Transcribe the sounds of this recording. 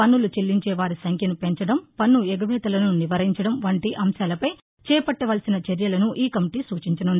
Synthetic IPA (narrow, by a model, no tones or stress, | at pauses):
pɐnːulut͡ʃelːiɲt͡ʃɛːʋaːɾisɐŋkʰjɐnupe̞ɲt͡ʃɐɽɐmpɐnːuɛɡɐʋɛːt̪ɐlɐnuniʋɐɾiɲt͡ʃɐɽɐmʋɐɳʈiʔɐmsaːlɐpɐj | t͡ʃɛːpɐʈːɐʋɐːlsinɐt͡ʃeɾjɐlɐnuʔiːkɐmiʈiːsuːt͡ʃiɲt͡ʃɐnund̪i